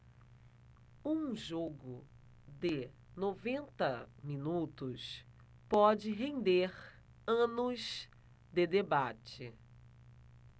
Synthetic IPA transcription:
ũʒoɡʊ | d̪ɪ | novẽnt̪ɐmĩnut̪ʊs | pɔd͡ʒɪɦẽd̪eɾ | ɐ̃nʊz | d̪ɪd̪ebat͡ʃɪ

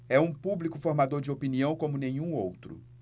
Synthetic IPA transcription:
ɛũpublikʊfoɾmad̪oɾd͡ʒɪopiniɐ̃w̃kõmʊnẽɲ̃ũowt̪ɾʊ̰

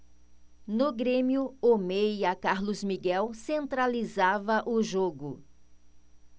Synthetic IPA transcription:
nʊɡɾẽmjʊomejɐkaɾlʊzmiɡɛwsẽnt̪ɾalizavɐʔʊʒoɡʊ

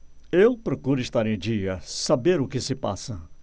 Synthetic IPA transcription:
ewpɾokuɾʊɪst̪aɾẽj̃d͡ʒiɐsabeɾʊkɪsɪpa̰sɐ

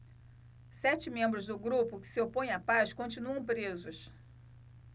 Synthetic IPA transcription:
sɛt͡ʃɪmẽmbɾʊzd̪ʊɡɾupʊkɪ̥sɪopõj̃ɐpaskõnt͡ʃinuɐ̃w̃pɾezʊs

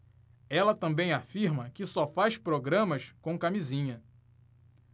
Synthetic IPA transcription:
ɛlɐt̪ɐ̃mbẽj̃afiɾmɐkɪsɔfajspɾoɡɾɐ̃mɐʃkõw̃kamizĩɲɐ

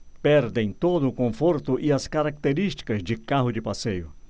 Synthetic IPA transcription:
pɛɾd̪ẽj̃t̪od̪ʊːkõfoɾt̪ʊʔɪɐskaɾak̚t̪eɾist͡ʃi̥kɐzd͡ʒɪkaɦʊd͡ʒɪpasejʊ

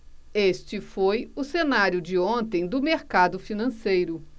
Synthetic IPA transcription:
est͡ʃɪfojʊsenaɾjʊd͡ʒɪõnt̪ẽj̃d̪ʊmeɾkad̪ʊfinɐ̃sejɾʊ

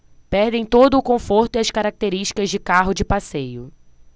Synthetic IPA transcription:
pɛɾd̪ẽj̃t̪od̪ʊːkõfoɾt̪ʊiɐskaɾak̚t̪eɾiʃt͡ʃi̥kɐzd͡ʒɪkaɦʊd͡ʒɪpasejʊ

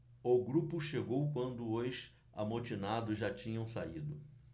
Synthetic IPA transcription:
oɡɾupʊʃeɡowkwɐ̃nd̪ʊojʃ | a̰mot͡ʃinad̪ʊʒat͡ʃĩɲɐ̃w̃said̪ʊ

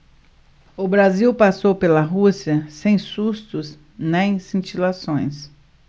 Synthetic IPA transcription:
ʊbɾaziwpasowpelɐɦusiɐsẽj̃sust̪ʊs | nẽj̃sĩt͡ʃilasõj̃s

